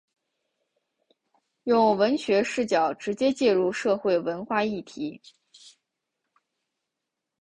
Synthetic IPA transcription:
jʊ˥˩ŋwə˧˥nɕɥɛ˧˥ʂɻ̩˥˩t͡ɕjɑ˨˩ʊʈ͡ʂɻ̩˧˥t͡ɕjɛ˥t͡ɕjɛ˥˧ɻu˥˧ʂɤ˥˧xwe˥˩ɪwə˧˥nxwa˥˧i˥˩t̪ʰi˧˥

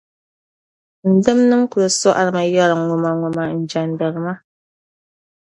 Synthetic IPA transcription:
n̩˨dɨ˦mnɨ˦mku˨ɨ˨sɔ˦ʔa˨ɾɨ˨ma˨jɔ˦ɾa˨ŋu˨ma˨ŋu˨ma˨n̩˨d͡ʒa˨ndə˨ɾɨ˨ma˦

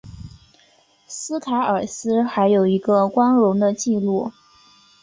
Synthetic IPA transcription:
sɹ̩˥t̪ʰa˧˥ə˞˨˩sɹ̩˥xa˧˥ɪjo˨˩ʊi˧˥ɡə˧kwɑ˥nɻʊ˧˥ŋd̪ə˧t͡ɕi˥˧lu˥˩

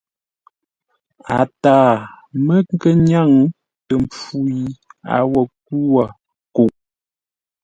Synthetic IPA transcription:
a˨taː˦˨ | mə˦ŋ˦kə˦ɲa˦˨ŋ | tə˨mp͡fu˦ji˦a̰˨wə˨k̚u˦wa˨ | ko˨ʔ

